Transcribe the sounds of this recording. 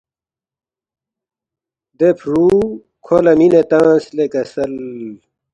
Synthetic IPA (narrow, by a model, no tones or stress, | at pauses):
d̪epʰɾu | kʰolɐminet̪ãːslekɐsɐl